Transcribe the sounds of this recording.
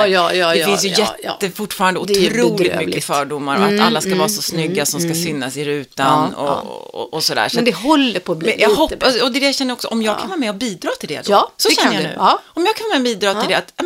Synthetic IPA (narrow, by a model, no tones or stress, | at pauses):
jɑj̪ɛfɪnsjɵjɛt̪ːəfʊʈːfɑːɾand̪əʊdtʰɾuːlɪt̪mʏkːəfœːɖʊmːaɾɔat̪a̰lːaskavɑːasɔsnʏɡːasɔmskasʏnːasɪɾʉ̟ːt̪anɔ̰ɔ̰ɔsɔd̪æ̰ːʂɛd̪ɛhɔlːəpʰɔbjahɔpːasɔd̪ɛd̪ɛjaɕɛnːəɾɔksɔʔɔmjɑːɡkʰanhɑːmɛabiːd̪ɾɑːt̪ʰɪld̪ɛ̰d̪sɔʃɛnːjʉ̟̰ːɔmjɑːɡʰkaɑːmɛbiːd̪ɾɑːt̪ʰɪld̪ɛat̪ː